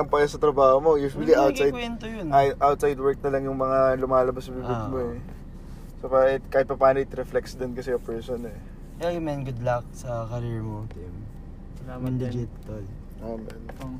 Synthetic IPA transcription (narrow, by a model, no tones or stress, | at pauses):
ɐŋpɐjasɐt̪ɾɐbaːhomo̞juːswɐliʔawtsajdwɛnt̪ojonʔawt̪̚sajd̪wɛɹk̚nɐlɐŋjʊŋmɐŋalʊmaːlɐbɐsnɐbiːbɪd̪̚moɛ | sopaːhɪt̪̚kaːhɪt̪̚pɐpaːnoɪt̪ɾɛflɛksd̪ɪnkɐsɛjopɛɹsonɛ | ojʊmɛnɡʊd̪lɐk̚sɐkɐɾiɹmot̪ɪm | amɐnd̪ɪd͡ʒɪt̪ | ɐl | oːmɛn